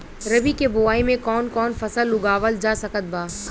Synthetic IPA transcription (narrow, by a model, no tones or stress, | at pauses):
ɾɐbikebʊʋaːimẽkɔːnkɔːnfɐsəlːʊɡaːʋəld͡ʒaːsɐkət̪̚baː